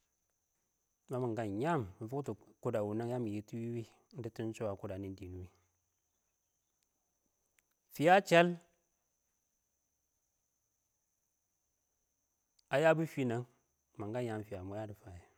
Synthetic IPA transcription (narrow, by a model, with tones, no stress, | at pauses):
ma˦ma˨ŋɡa˦˨ɲa˦˨mmi˨fu˦tu˨ku˦da˨wu˨na˦ŋja˦mi˨ji˨˦tu˦wi˦wi˦ | n̩˦di˦tu˦n˦t͡ʃo˦wa˨ku˦da˨ni˦n˦di˨nu˦wi˦ | fi˨ja˦t͡ʃe˦l | a˨ja˦bu˦fi˦na˨ŋ | ma˨ŋɡa˦ɲa˦m˨fi˨ja˨mo˨˦ja˦di˨fa˨je˨